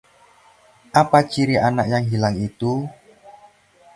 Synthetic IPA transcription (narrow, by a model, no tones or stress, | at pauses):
ʔapat͡ʃiɾiʔanaʔjaŋɦilaŋit̪u